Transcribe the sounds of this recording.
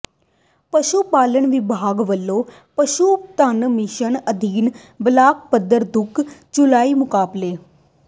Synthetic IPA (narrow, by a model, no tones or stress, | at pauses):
pəʃuːpaːləɳʋɪbʱaːɡʋəlːoː | pəʃuːt̪ənmɪʃənəd̪ʱiːn | blaːk̚pəd̪əɾd̪ʊkʰd͡ʒʊlaːiːmʊkaːbleː